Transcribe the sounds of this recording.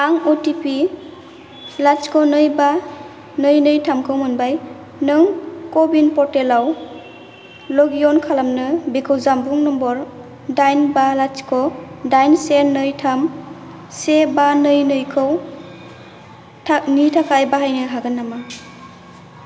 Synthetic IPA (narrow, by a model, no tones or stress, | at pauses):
aŋɔtipi | lat͡ʃkʰɔnɯjba | nɯjnɯjtʰamkʰɯwmɯnbaj | nɯŋkɔbinpɔɾtelaw | lɔɡiɔnkʰalamnɯbikʰɯwzambuŋnɔmbɔɾ | dajnbalat͡ʃkʰɔdajnsenɯjtʰam | sebanɯjnɯjkʰɯw | nitʰakʰajbaɦajnɯɦaɡɯnːama